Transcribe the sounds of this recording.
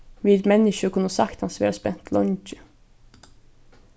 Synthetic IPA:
ʋɪd̪mɛnɪʃəkʰʊnəsɑkt̪hɑnsʋɪ̰ɑspɛnt̪ʰlʔɔnt͡ʃə

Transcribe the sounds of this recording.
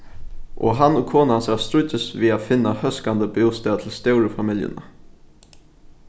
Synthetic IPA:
ʔɔ̰ɦɑnoːkʰoːnɑnsæst̪ɾʉcəsʋiːafɪnəhœskand̪əbeʊst̪ət̪ʰɪl̩st̪æʊɾəfɑmɪljə̰nə̰

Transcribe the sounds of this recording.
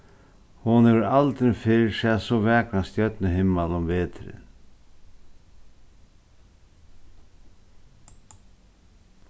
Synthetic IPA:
hʊnɛvɾalt̪ɾɪfɪɻsɛːsɔʋɛːknast̪jœt̪nɪɦɪmːalʊmveːt̪ɾɪ̰

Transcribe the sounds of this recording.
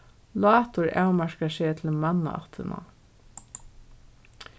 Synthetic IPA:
lɑːt̪ʊɹa̰wmaɹkaʃɛt̪ʰɪlmɑnːa̰ɑ̰t̪ʰɪna̰

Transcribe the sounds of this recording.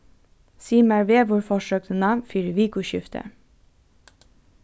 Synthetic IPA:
siːmæɹʋeːʋʊɹfɔʃøːk̚t̪ənɑnfiɾʋiːkʊʃʏft̪ʰə̰

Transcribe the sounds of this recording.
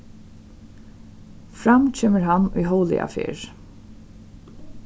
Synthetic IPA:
fɹamt͡ɕʰeːməɹɦanʊ̰jɦɔwlɪ̰a̰fɪ̰ːɹ

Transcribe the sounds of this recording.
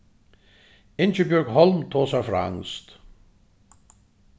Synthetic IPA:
ɪnt͡ʃəbjʊɹɡhɔlmt̪ʰoːsafɾa̰a̰ŋst̪

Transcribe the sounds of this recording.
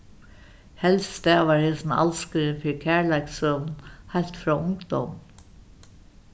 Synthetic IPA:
hɛlst̪ɛːʋaɹhɪsna̰lskəɾɪnfɪɹkʰæːɹlajksœvnhajlt̪fɾɔːʊŋkd̪ɔmn

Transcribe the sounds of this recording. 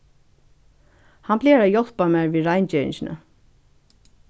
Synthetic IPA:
hanpleːɾajɔl̥pamɛːɹviːðɾajnt͡ɕɛːɪ̰nɕɪnə̰

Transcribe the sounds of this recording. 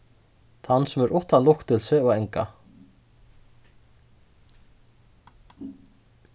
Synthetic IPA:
θanːsɛmɛɾʔɔht̪anlʊhkt̪ʰɪlsvɪɔɣɛŋka̰

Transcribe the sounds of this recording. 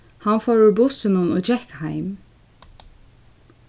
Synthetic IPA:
hanfɔɹʊɹbʊsɪnʊnɔd͡ʒɛhkhaɪm

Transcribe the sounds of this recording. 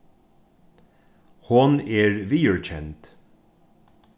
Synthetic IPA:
hʊneːɹʋiːœɹc͡çɛnt̪

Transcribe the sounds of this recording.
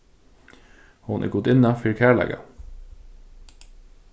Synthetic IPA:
hʊnʔæ̰ːɡʊd̪ɪnɑfɪːɾkʰæːɭæ̰ɡɑ̰

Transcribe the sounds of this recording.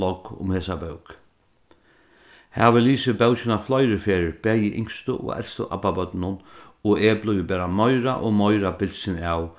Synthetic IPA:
ɔkʊ̰mheːsabœwk | hɛʋɪliːsɪbɛwsɪnaflɔjɾɪɾfeːɾɪɾb̥ɛːjɪʔɪŋkst̪ʊʔɔ̰ɛ̰lst̪ʊ̰ʔa̰pabœt̪nʊn | ɔɛːplʊjʋɪbɛːɾamɔjɾa̰ʔɔmɔjɾabɪlsɪnaw

